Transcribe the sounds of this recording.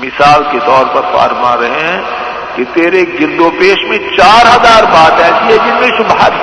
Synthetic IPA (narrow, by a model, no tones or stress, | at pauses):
mɪsaːlket̪ɔːɾpɐɾfa̰ːɾmaːɾɐɦeɦɛ̃ | kit̪eːɾeːk̚ɡɪɾd̪oːpeːʃmẽt͡ʃaːɾɦɐzaːɾbaːt̪ɛːsiɦɛd͡ʒɪsmẽʃʊbʱaː